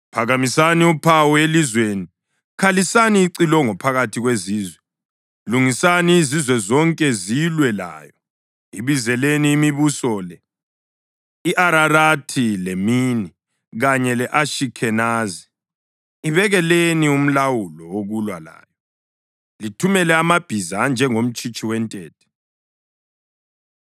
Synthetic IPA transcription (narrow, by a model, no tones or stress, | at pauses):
pʰaɣamisaniupʰawɔelizweni | kʰalisaniːǀilɔŋɔpʰaɣatʰiɣweziːzwɛ | luŋisaniːzizwɛzɔŋkʼɛzilwɛla̰ːjɔ | iβizɛleniːmiβusɔlɛ | iʔaɾaratʰilemiːni | ɣaɲɛlɛʔaʃikʰɛnaziː | βɛɣɛlenium̩lawulɔwoɣulwala̰ːjɔ | litʰumɛlɛamab̥ʱizand͡ʒʱɛŋom̩t͡ʃʼit͡ʃʼiwɛntʼɛːt̚ʰɛ̥